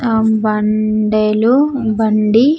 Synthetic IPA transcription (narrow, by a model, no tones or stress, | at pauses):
bɐɳɖeːlu | bɐɳɖi